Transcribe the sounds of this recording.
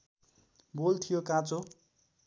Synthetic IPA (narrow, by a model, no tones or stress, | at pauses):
bolt̪ʰijokãt͡so